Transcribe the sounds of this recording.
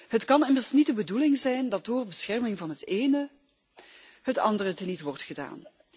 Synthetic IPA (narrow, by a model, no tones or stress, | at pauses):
ɦətkɑnɪmərsnidəbədulɪŋzɛjndɑt̚dʊːrbəsxɛrmɪŋvɑnɦəteːnə | ɦətɑ̰ndərətənitʋɔrtχəda̰ːn